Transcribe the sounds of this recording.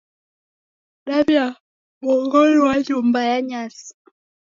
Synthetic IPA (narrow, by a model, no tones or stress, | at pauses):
ɗabja | ɓɔŋɡɔliwajumbajaɲas